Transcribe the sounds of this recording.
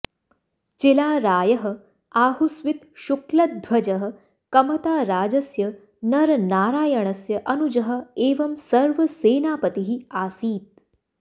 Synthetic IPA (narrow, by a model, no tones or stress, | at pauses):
t͡ʃelaːɾaːjɐɦɐ̆ | aːɦusʋit̪ʃuklɐt̪̚d̪ʱʋɐd͡ʒɐɦə̆ | kɐmɐt̪aːɾaːd͡ʒɐsjɐ | nɐɾnaːɾaːjɐɳ̃ɐsjɐʔɐnud͡ʒɐɦə̆eːʋɐmsɐɾʋɐseːnaːpɐt̪iɦiaːsiːt̪̚